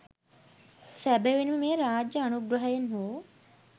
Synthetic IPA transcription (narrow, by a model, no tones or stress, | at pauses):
sæbeʋinemeːɾaːd͡ʒjəɐnuɡɾɐɦəjenɦoː